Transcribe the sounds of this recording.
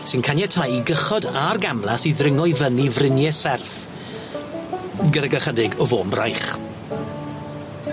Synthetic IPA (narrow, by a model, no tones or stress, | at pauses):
sɪnkʰanjɛtʰajiɡəχɔdarɡamlˠasiðrɪŋɔjvənivrɪnjɛsɛrθ | ɡədaɡaχədɪɡɔvoːnbra̰jχ